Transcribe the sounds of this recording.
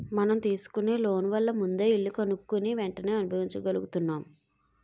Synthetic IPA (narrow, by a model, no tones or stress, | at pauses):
mɐnɐmt̪iːsu̥kune̞ːloːnʋɐlːɐmund̪e̞ːiɭːukɐnukːuniʋɛɳʈɐne̞ːɐnubʱɐʋiɲt͡ʃɐkɡɐluɡut̪unːaːm